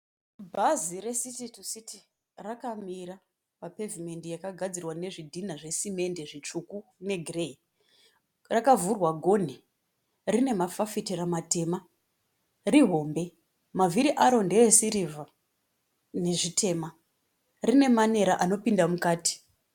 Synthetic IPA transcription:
bʱazire̞sititusiti | rakamiɾa | pape̞vime̞ndijakaɡʱad͡zirwane̞ʐidʱinaʐe̞sime̞nde̞ʐit͡ʂukune̞ɡʱirei | rakavurwaɡʱo̞n̤i | rine̞mafafitiramate̞ːma | riɦo̞ːmbe̞ | maviɾiʔaɾo̞nde̞esiɾiva | ne̞ʐitʰe̞ːma | rine̞mane̞ɾaʔano̞pindamukaːti̥

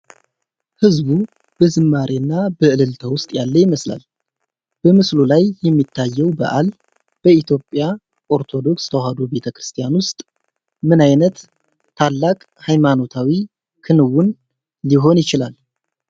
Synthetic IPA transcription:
hɨzbu | b̥əzɨmːaɾʔenːabəʔɨlɨlt̪ʰəwʊst̪ʼjalːəjɪməsla̰l | b̥əmɨslulajːɛmːit̪ʰːajːɛwbə̰ʔal | b̥əit̪ʰjo̞pʼːja | ʔo̞ɾt̪ʰo̞d̪o̞kst̪ʰəwɦad̪obe̞t̪ʰəkɾɨ̥st̪ʰijanwʊst̪ʼ | mɨnajnət̪ʰː | alːakʼ | hajmano̞t̪ʰawi | kʰɨnɨwunː | iɦo̞njɪt͡ʃɪla̰l

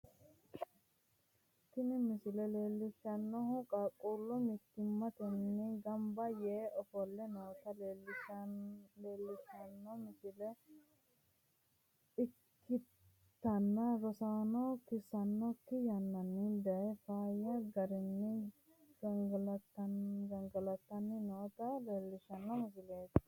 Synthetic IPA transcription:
t̪ːɪnɛmɪsɪlɛleːlːɪʃɐnːɔhʊkʼakʼːuːlːʊmɪt̪ːɪmːɐt̪ɛnːɛɡɐmbɐjeːʔɔfɔlːɛnoːt̪ɐleːlːɪʃɐleːlːɪʃɐnːɔmɪsɪlɛ | ɪkːɪ | t̪ːɐnːɐɾɔsaːnɔkɪsɐnːɔkːɪjɐnːɐnːɪd̪ɛɛfaːjɐɡɐɾɛnːɛ | ɡɐŋɡɐlɐt̪ːɐɡɐŋɡɐlɐt̪ːɐnːɪnoːt̪ɐleːlːɪʃɐnːɐmɪs̬ɪleːt̪

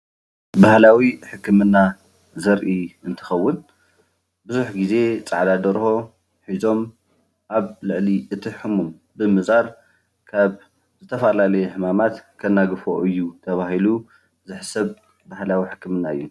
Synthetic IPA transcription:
bahlawiħɨkʰːɨmɨnːa | zɐɾʔiɨnt̪ʰɨ̥xɐwːɨn | bɨzuħɡize̞t͡sʼaʕd̪ad̪ɐɾxo̞ | ħizo̞m | ʔaβlɨʕliʔɨt̪ʰiħɨmum | bɨmɨzaɾ | kʰaβ | zɨt̪ʰɐfalalɐjħɨmamat̪kʰɐnːaɡɨfo̞ʔɨjːut̪ʰɐβahilu | zɨħsɐβ | bahlawiħɨkːɨmɨnːaɨ̰jːu

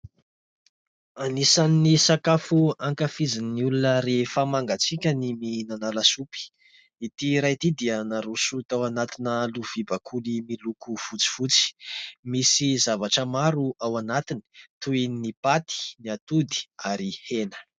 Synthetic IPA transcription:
anisannisakafuaŋkafizinniulunəɾefəmaŋɡat͡sikʲəniminanalasupi̥ | it̪iɾajt̪id̪iənaɾusut̪awanat̪inəluv̥ibakʰulimilukuv̥ut͡si̥v̥ut͡si̥misizavaʈ͡ʂəmaɾuʔawanat̪ini̥t̪uinipat̪i̥niat̪ud̪i̥aɾihenə̥

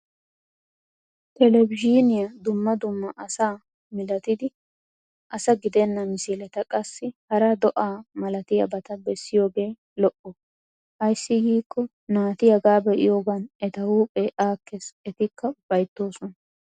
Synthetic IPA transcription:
t̪ɛlɛbɪʒiːnɪjɐd̪ʊmːɐd̪ʊmːɐʔɐsaː | mɪlɐt̪ɪd̪ɪ | ʔɐsɐɡɪd̪ɛnːɐmɪsɪlɛt̪ɐkʼɐsːɪhɐɾɐd̪ɔʔaːmɐlɐt̪ɪjɐ̰bɐt̪ɐbɛsːɪjo̞ːɡe̞ː | lɔʔɔ | hɐjsːɪɡiːkʰːɔ | naːt̪ɪjɐɡaːbɛʔɪ̰joːɡɐnɛt̪ɐwuːpʼːɛʔaːkːesɛt̪ɪkʰːɐʊb̥ɐjt̪ːo̞ːsɔnɐ

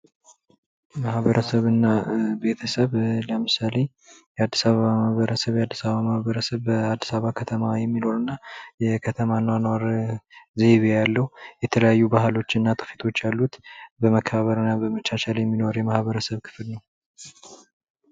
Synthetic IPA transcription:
mahβəɾʔəsəβɨnːabe̞t̪ʰəsəβləmɨsale̞ | jɛad̪ːisaβəβamahβəɾəsəβjɛad̪ːisaβəβamahβəɾəsəβːəad̪ːi̥saββakʰət̪ʰəmajɛmːino̞ɾɨnːajɛkʰət̪ʰəmanːwanwaɾ | ze̞βejalːəhujɛt̪ʰələjajːubaɦalo̞t͡ʃːɪnːat̪ʰə̥fet̪ʰo̞t͡ʃːjalːut̪bəməkʰːəβaβəɾɨnːabəmət͡ʃːaʃaljɛmːino̞ɾjɛmahβəɾəsəβkʰɨ̥flnəw

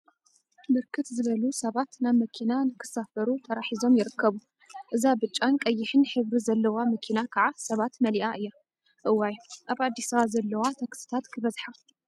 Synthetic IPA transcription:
bɨɾkʰɨt̪zɨβɐlusɐβat̪naβmɐkʰinanɨkʰɨ̥safɐɾut̪ʰɐɾaħizo̞mjɪɾɨkʰːɐβu | ʔɨzabɨt͡ʃʼːankʼɐjːɪħɨnħɨβɾizɐlːɐwamɐkʰinakʰaʕasɐβat̪mɐliʔaʔɨjːa | ʔɨwːajʔaβad̪ːisɐβazɐlːɐwat̪ʰɐksɨ̥t̪ʰat̪kʰɨβɐzħa

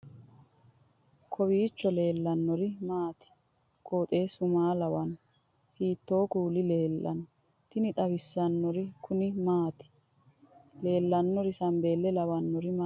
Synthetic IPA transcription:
kʰɔbiːt͡ʃːɔle̞ːlːɐnːɔɾɪmaːt̪ɪ̥ | koːt̪ʼe̞ːsʊmaːlɐwɐn | hiːt̪ːo̞ːkuːlɪleːlːʔɐ̰n | t̪ɪnɪt̪ʼɐbɪsːɐnːɔɾɪkʰʊnɪmaːt̪ɪ̥ | le̞ːlːɐnːɔɾɪsɐmbe̞ːlːɛlɐwɐnːɔɾɪma

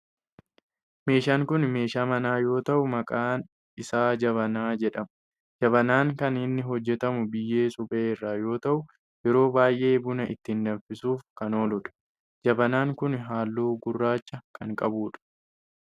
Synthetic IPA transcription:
me̞ːʃaːŋkʊnme̞ːʃaːmɐnaːjo̞ːt̪ɐʔʊmɐkʼaːn | ɪsaːd͡ʒɐβɐnaːd͡ʒɛᶑɐm | d͡ʒɐβɐnaːŋkɐnɪnːɪɦɔd͡ʒːɛt̪ɐmʊbɪjːe̞ːsʊbʼeːrːaːjo̞ːt̪ɐʔʊ | jɛɾo̞ːbaːjʔe̞ːbʊnɐɪt̪ːɪɪnd̪ɐfɪsuːfkɐno̞ːlʊᶑɐ̥ | d͡ʒɐbɐnaːŋkʊnɦaːlːoːɡʊrːaːt͡ʃːɐkʰɐŋkʼɐbuːᶑɐ̥

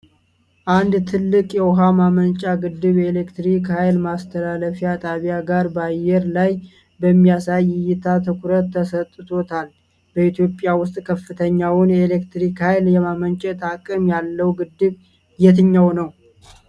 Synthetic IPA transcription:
ʔand̪t̪ʰɨlːɨkʼjɛwɔɦamamənt͡ʃʼaɡɨd̪ːɨβe̞lekt̪ɾikhajlmast̪ʰəlaləfijat̪ʼaβijaɡaɾbajːɛɾlaj | bəmːijasajɪjːɪt̪ʰat̪ʰɨkʷʰuɾət̪ːəsət̪ʼːɨt̪ʰot̪ʰal | bəit̪jo̞pʼːɪjawʊst̪ʼkʰəfːɨt̪ʰəɲːawʊnelekt̪ɾikhajljɛmamənt͡ʃʼɛt̪akʼɨmjalːəwɡɨd̪ːɨβ | jɛt̪ɨɲːawnəw

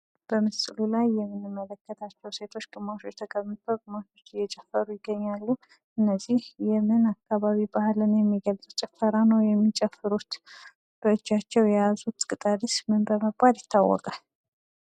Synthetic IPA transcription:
b̥əmɨsʼlulajːɛmːɨnːɨmːələkʰːət̪ʰat͡ʃːɛwse̞t̪ʰo̞t͡ʃːɡʼɨmat͡ʃjɛt̪ʰəkʼəβɨfəɡʼɨmatot͡ʃːɪjɛt͡ʃʼɛfːəɾujɪɡəɲːalːu | ʔɨnːəzihjɛmɨnakːaβaβibahlɨnjɛmːiɡəlt͡sʼɨt͡ʃʼɪfəɾanəwjɛmːit͡ʃʼɛfːɨɾut̪ | b̥əɨd͡ʒːat͡ʃːɛwjɛjazut̪kʼɨt̪ʼad̪ismɨnbəməɡ̚bad̪jɪt̪ʰːawːɔ̰kʼal

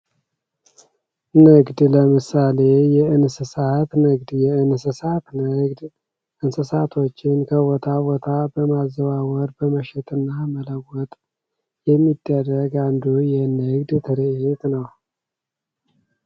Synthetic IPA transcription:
nɨɡd̪ləmɨsale̞jɛɨnsɨsat̪nɨɡd̪jɛɨnsɨsat̪nɨɡd̪ | ʔɨnsɨsat̪ʰo̞t͡ʃːɪnkʰəwɔt̪ʰawɔt̪ʰabəmazːəβawɔɾbəməʃɛt̪ʼɨnːamələwːɔt̪ʼ | jɛmːid̪ːərːəɡand̪ujɛnɨɡd̪t̪ʰɨɾɨhɪt̪ʼnəw

